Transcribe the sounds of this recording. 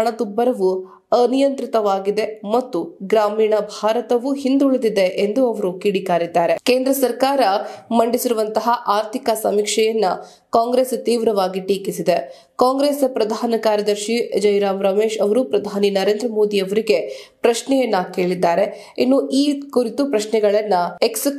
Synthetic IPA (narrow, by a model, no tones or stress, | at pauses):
ɐɳɐt̪ubːɐɾɐʋu | ɐnijɐnt̪ɾit̪ɐʋaːɡid̪e̞mɐt̪ːuɡɾaːmiːɳɐbʱaːɾɐt̪ɐʋuɦind̪uɭed̪id̪eʔend̪uɐʋɐɾukiːɽikaːɾid̪ːaːɾe̞ke̞ːnd̪ɾɐsɐɾkaːɾɐmɐɳɖisiɾuʋɐnt̪ɐɦɐʔaːɾt̪ʰikɐsɐmikʂɛjɐnːɐ | kaːŋɡɾeːst̪iːʋɾɐʋaːɡiʈiːkisid̪e̞ | kaːŋɡɾeːspɾɐd̪ʱaːnɐkaːɾjɐd̪ɐɾʃid͡ʒɐjɾaːmɾɐmeːʃɐʋɐɾupɾɐd̪ʱaːninɐɾe̞ːnd̪ɾɐmo̞ːd̪iɐʋɐɾiɡe̞pɾɐʃnɛjɐnːɐke̞ːɭid̪ːaːɾe | inːuʔiːkuɾit̪upɾɐʃnɛɡɐɭɐnːɐeks